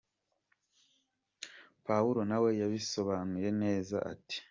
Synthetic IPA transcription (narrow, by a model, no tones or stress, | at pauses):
pawuɾo̞nawe̞jaβiso̞βanuɾe̞ne̞ːza̰ʔa̰ti̥